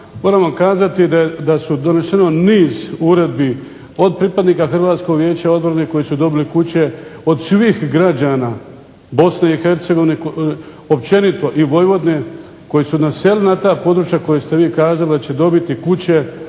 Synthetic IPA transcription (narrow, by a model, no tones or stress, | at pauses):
moːɾamakaːzat̪id̪ad̪asud̪o̞ne̞ʃeno̞niːzuɾe̞d̪̚bi | o̞d̪̚pɾipad̪niːkaxr̩ʋaːt̪sko̞ɡʋje̞ːt͡ɕao̞d̪bɾane̞ko̞jisud̪o̞bilikut͡ɕe̞o̞d̪sʋixɡɾad͡ʑaːna | bo̞sne̞ixe̞ɾt̪seɡo̞ʋineko | op̚t͡ʃe̞nit̪o̞ʔiʋo̞jʋo̞d̪ne̞ | ko̞jisunase̞linat̪aːpo̞d̪ɾut͡ʃjako̞jest̪e̞ʋiːkaːzalid̪at͡ɕe̞d̪o̞bit̪ikut͡ɕe̞